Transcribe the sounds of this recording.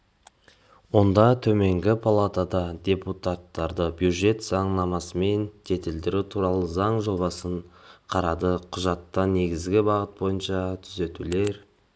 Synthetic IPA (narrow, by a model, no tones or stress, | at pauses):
wo̞nd̪ɑt̪ʰɵme̞ŋɡʲɪpʰalˠat̪ad̪ɑd̪ʲe̞put̪at̪ːɑɾd̪əbjud̪ʒe̞t̪zɑɴnɑmɑsəme̞nd͡ʒʰe̞t̪ɪld̪ɪɾut̪ʰuɾɑlˠəzɑɴʒo̞bɑsəɴqʰɑɾɑd̪əqʰʊʒɑt̪ːɑne̞ɡʲɪzɡʲɪbɑʁət̪̚bo̞jənʃɑt̪ʰʏze̞t̪ule̞ɾ